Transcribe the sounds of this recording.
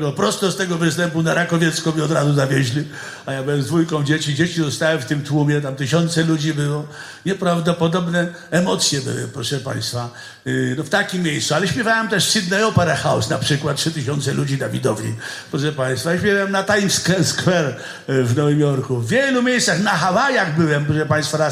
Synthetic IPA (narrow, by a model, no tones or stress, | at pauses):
wɔpɾɔst̪ɔst̪ɛɡɔvɨst̪ɛmpunaɾakɔvʲjet̪skɔmʲiɔd̪ɾazuzavʲjeʑlʲi | ajabɘwɛmzd̪vujkɔ̃w̃d͡ʑet͡ɕid͡ʑet͡ɕizɔst̪awɛft̪ɪmt̪wumʲjɛt̪̬amt̪ɨɕɔnt̪sɛlud͡ʑibɘwɔ | ɲɛpɾavd̪ɔpɔd̪ɔbnɛ | ɛmɔt̪sʲjɛbɪ̰wɪ̰pɾɔʂɛpa̰j̃st̪fa | nɔft̪akʲimːʲjejst̪sualɛɕpʲjɛvawɛmt̪ɛʂsid̪naɔpɛɾaxawsnapʂɘkwat̪̚tʂɘt̪ɨɕɔnt̪sɛlud͡ʑinavʲid̪ɔvɲḭpɾɔʂɛpaj̃st̪fajaɕpʲjɛvawɛmnat̪ajmskɛskwɛɾ | vnɔvɪmjɔɾkuvːʲjelumʲjejst̪saxnaxawajaɣbɘwɛmpɾɔʂɛpaj̃st̪faɾa